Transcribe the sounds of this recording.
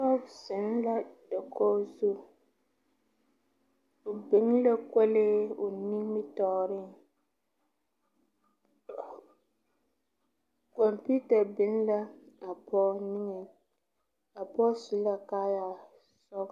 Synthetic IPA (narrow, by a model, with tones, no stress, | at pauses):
sɔ˦bsɪ˨n˦la˦d̥a˨kʰɔ˦zu˦ | ʊ˨bɪ˨˦n˦la˦kɛ˦leː˦ʊ˨ni˦ŋmɪ˦tɔː˨ɾɪ˦˨ŋ | kɔ˨mpi˦ta˨bɪ˨˦n˦la˦a˨pʰɔ˦nɪ˦ŋɛ˨ | a˨pɔ˦su˨˦la˦kaː˦ja˨ | sɔ˦k